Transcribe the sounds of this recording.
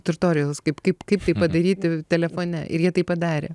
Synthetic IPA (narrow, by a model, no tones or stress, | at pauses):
t̪ʊrʲt̪oːɾʲɪjɛlˠskɐɪpkɐɪpkɐɪpt̪ɐɪppɐd̪ɐɾʲiːt̪ʲɪt̪ʲɛlʲɛfoːnʲɛ̰ʔɪ̰ɾjiɛt̪ɐɪpɐd̪ɑːɾʲḛ